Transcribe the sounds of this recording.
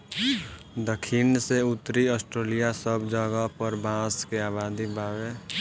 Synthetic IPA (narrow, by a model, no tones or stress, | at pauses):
d̪əkʰiːnseʊt̪ːɾiɔːsʈɾeːlijasəbd͡ʒəɡapəɾbʱãːskeaːβaːd̪ibaːwe